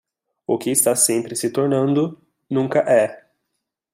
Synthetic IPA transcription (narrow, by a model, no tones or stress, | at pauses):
ʊkɪːst̪asẽmpɾɪsɪt̪oɾnɐ̃nd̪ʊ | nũŋkɐʔɛ